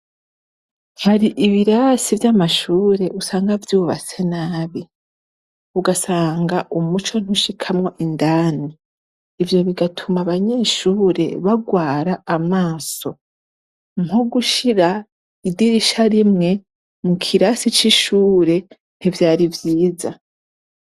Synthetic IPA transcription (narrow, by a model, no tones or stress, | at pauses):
haɾiʔiβiɾasivjamaʃuːɾe̞ʔusaːŋɡavjuːβa̰t͡se̞naːβi | uɡasaːŋɡaʔumut͡ʃo̞n̥uʃikʰamŋo̞ʔindaːniː | vjo̞βiɡatʰumaβaɲe̞ːʃuːɾe̞̰βaɡwaːɾaːmaːso̞ | moɡuʃiɾa | idiɾiʃaɾimŋe̞ | mukʰiɾasit͡ʃiʃuːɾe̞ | n̥ivjaːɾivjiːza